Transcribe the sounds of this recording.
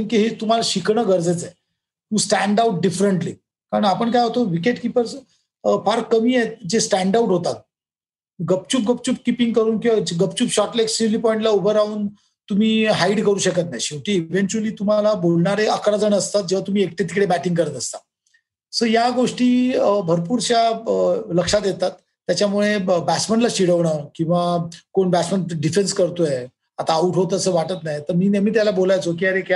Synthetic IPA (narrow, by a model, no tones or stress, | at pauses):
ənkiɦet̪um̤alaɕikɳəɡʱəɾd͡zet͡se | t̪ũsʈæɳɖauʈ̚ɖifɾəɳʈli | kaɾəɳapəɳkajɦot̪oʋikeʈkipəɾs | faɾkkːəmiːed͡ʑesʈæɳɖauʈɦot̪at̪̚ | ɡəp̚t͡ɕuːp̚ɡəp̚t͡ɕuːp̚kipĩŋɡkəɾuːnkiad͡ʑɡəpt͡ɕuːpɕɔʈleksiliːpɔiɳʈlaubəɾauːn | t̪um̤iːɦaiɽkəɾuːɕəkət̪naɕiʋʈ̪iːʋeɳt͡ɕuəliːt̪um̤alabolɳaɾeəkɾad͡zəɳəst̪at̪̚d͡ʑeʋ̤at̪um̤iːek̚ʈ̪et̪i̥kɽebæʈiŋɡkəɾət̪əst̪a | səɾjaɡoʂʈiːbʱəɾpuːɾt͡ɕjaləkʂat̪jet̪at̪ːjat͡ɕjamuɭebæt͡sməɳʈlaɕiɽəʋɳakĩw̃ʋakoɳbæt͡sməɳʈɖifenskəɾt̪oje | at̪aːuʈɦot̪əsəːʋaʈət̪najt̪əɾmiːnam̤iːt̪̬jalabolajt͡sok̬iːəɾeka